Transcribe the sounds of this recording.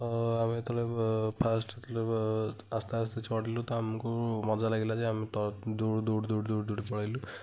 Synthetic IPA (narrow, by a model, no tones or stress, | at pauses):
amet̪ɔlepʰasʈt̪ɔle | ast̪east̪et͡ʃʰɔʈilut̪ɔamkumɔd͡zalaɡilad͡ʒeamit̪ɔd̪oɽd̪uɽd̪uɽd̪uɽd̪uɽipɔɽajlu